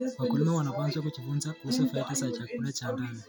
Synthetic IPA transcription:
wakulimawanapanzwak̬ut͡ʃifunzausɔfaikisat͡ʃakulat͡ʃandani

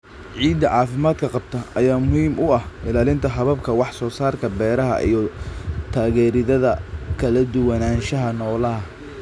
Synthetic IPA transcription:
ʕiːd̪ɐʕɑːfɪmaːd̪kʰɐqɑb̚t̪ʰɐɐjaːmʊɦiːmʔʊɐhʔɪlaːlɪnt̪ʰɐɦɐβɐbkʰɐwɑħsɔːsaːrkʰɐbɛːɾɐɦɐ̰ʔḭjɞt̪ʰaːɣɛːɾɪðɐðɐkʰɐlɐd̪ʊwɐnaːnʃɐɦɐnɔːlɐɦɐ

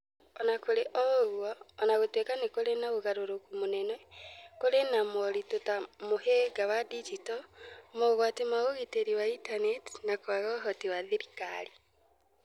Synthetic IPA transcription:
ɔnakoɾeʔɔɣwɔːnaɣotwekanekoɾenaɣoɣaɾoɾokumonɛnɛkoɾenamɔɾitotamoheɡawadid͡ʒitɔmoɣwatimaɣoɣiteɾiwaitaneti̥nakoaɣɔɦɔtiwaðeɾika̰ɾi

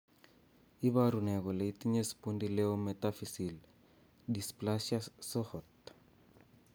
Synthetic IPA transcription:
iβaɾunɛɣɔleitiɲesi̥pundilɛɔmɛtafisil | displaʃasɔhɔt̪

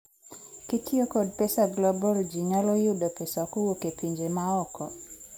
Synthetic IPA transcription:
kitiokod̚pesaɡlɔbɔld͡ʒiɲalojʊdopesakowokepiɲd͡ʒemaɔkɔ

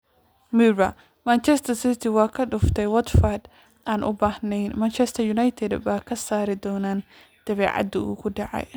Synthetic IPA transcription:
miɾɐ | mɐnt͡ʃɛst̪ʰɐsɪt̪ʰɪwɑːkʰɐɖʊft̪ʰɛjwɐt̪fɐd̪ | ʔaːnʔʊ̰baːhnɛj̪mant͡ʃʰɛst̪ʰɐjʊnajt̪ʰɛd̪baːkʰɐsaːɾɪd̪ɔːnaːn | d̪̥ɐβɛ̰ːʕɑ̰d̪ɐṵːkʰʊɖɑʕɑ̰j

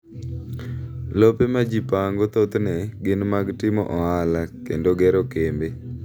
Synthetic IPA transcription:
lopemad͡ʒipaŋɡot̪ot̪nɛɡɪnmaɡtɪmɔ̰ʔɔɦalakendoɡɛɾokembe

